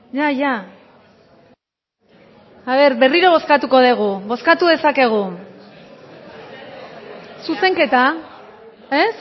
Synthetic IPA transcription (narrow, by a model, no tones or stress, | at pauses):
jaʝa | aβ̞e̞ɾbe̞riɾoβ̞o̞skat̪uko̞ð̞eɣ̞uβo̞skat̪uðe̞sake̞ɣ̞u | suse̞ŋke̞t̪a | e̞s